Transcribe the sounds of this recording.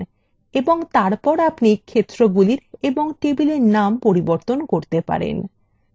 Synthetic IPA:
eboŋt̪aɾpɔɾapnikʰet̪ːɾoɡuliɾeboŋʈebileɾnampoɾiboɾt̪onkoɾt̪epa̰ɾḛn

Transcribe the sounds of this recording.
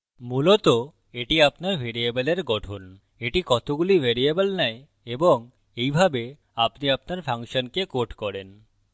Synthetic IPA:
mulot̪o | eʈiapnaɾbʱeɾiebeleɾɡɔʈʰon | eʈikɔt̪oɡulibʱeɾiebəlnɛj | eboŋ | ejbʱabe | apniapnaɾpʰaŋʃonkekoʈkɔɾen

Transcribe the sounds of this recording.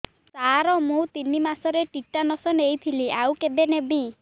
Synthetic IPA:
saɾɔmũt̪inimasɔɾeʈiʈːanɔsɔnejt̪ʰiliawkeb̪enebi

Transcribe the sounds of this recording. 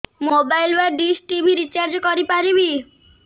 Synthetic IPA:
mobajlbaɖisʈibʱiɾit͡ʃaɾd͡ʒɔkɔɾipaɾibi

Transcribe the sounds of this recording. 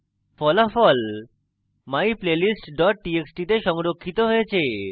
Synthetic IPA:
fɔlafɔl | maiplelisʈɖɔʈ̚ʈieksʈit̪eʃɔŋɾokʰːit̪oɦɔet͡ʃʰe

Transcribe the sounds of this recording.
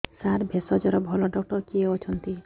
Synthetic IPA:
saɾbʱesɔd͡ʒɔɾɔbʱɔlɔɖɔk̚ʈɔɾkieot͡ʃʰɔnt̪i

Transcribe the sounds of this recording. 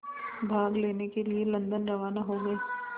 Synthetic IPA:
bʱaːɡleːnekelielɐ̃nd̪ənɾɐʋaːnaɦoːɡɐeː

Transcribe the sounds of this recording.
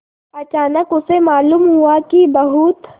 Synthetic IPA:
ɐt͡ʃaːnəkʊsemaːluːmɦuakibɐɦut̪

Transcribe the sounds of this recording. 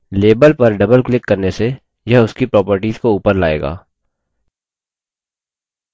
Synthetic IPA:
leːbəlpɐɾɖɐbəlklɪkːɐɾnese | jɐɦʊskipɾɔːpəɾʈiːzkouːpəɾlaːḛːɡa̰ː

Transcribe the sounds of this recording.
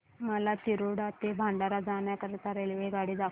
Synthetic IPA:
məlat̪iɾoɽat̪ebʱãɳɖaɾad͡zaɳjakəɾt̪aɾelʋeɡaɽiːd̪a

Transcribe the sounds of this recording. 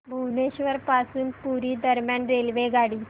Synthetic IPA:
bʱuneɕʋəɾpasuːnpuɾiːd̪əɾmjanɾelʋeɡʱaɽiː

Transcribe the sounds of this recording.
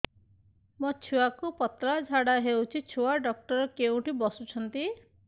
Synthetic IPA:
mɔt͡ʃʰuakupɔt̪ɾad͡ʒʱaɽaɦewt͡ʃʰit͡ʃʰuaɖɔk̚ʈɔɾɔkeũʈibɔsut͡ʃʰɔnt̪i

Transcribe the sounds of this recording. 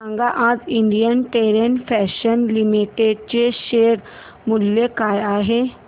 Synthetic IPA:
ɐ̃ŋɡaʔãːd͡ʒɪɳɖijənʈeːɾenfʰɛːʃənlimiʈeɖ̚t͡ɕeʃeːɾ | mʊljekaːjaːɦe

